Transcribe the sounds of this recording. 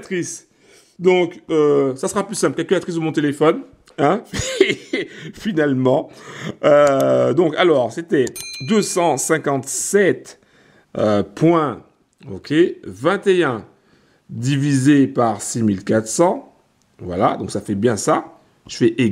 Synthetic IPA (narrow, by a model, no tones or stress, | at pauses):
t̪χis | d̪ɔ̃køsasəʁaplysɛ̃plkɛlkylat̪χis̬dəmɔ̃t̪elefɔn | ɛ̃f | finalmɑ̃ød̪ɔ̃kalɔʁset̪ɛd̪øsɑ̃sɛ̃kɑ̃t̪sɛt̪ | øpwɛ̃ | o̰kʲevɛ̃t̪eɛ̃ | d̪ivizepaʁsimilkat̪χsɑ̃ | vwalad̪ɔ̃ksafɛbjɛ̃sa | ʒəfɛʔe